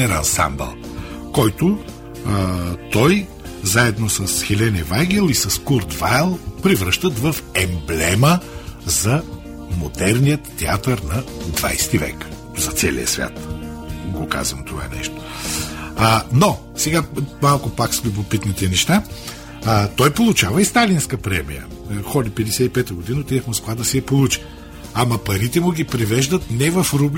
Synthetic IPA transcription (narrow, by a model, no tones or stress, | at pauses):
ɛɾɐ̰nsa̰mbɛ̰lˠ | kɔjt̪ʊ | t̪ɔj | zaɛd̪nosəsxɛlɛnɛvajɡɛlˠisɐskuɾt̪valˠpɾivɾəʃt̪ət̪vəfɛmblɛməzɐ | mod̪ɛɾnijət̪ːɛat̪əɾnɐd̪va̰jst̪ivɛ̰k | zɐt̪sɛlḭə̰svʲja̰t̪ɡoka̰zvɐmt̪ova̰nɛ̰ʃt̪o̥ | no | sɛɡamalˠkʊpakslʲubopit̪nit̪ɛnɛʃt̪a | t̪ɔjpolˠʊt͡ʃavəist̪alinskɐpɾɛmḭjə̰ | xɔd̪ipɛd̪ɛsɛt̪ipɛt̪əɡod̪inət̪iəxmoskvad̪ɐsɛɐpolˠut͡ʃi̥ | amɐpɐɾit̪ɛmʊɡʲipɾɛvɛʒd̪ət̪nɛvɐfɾubl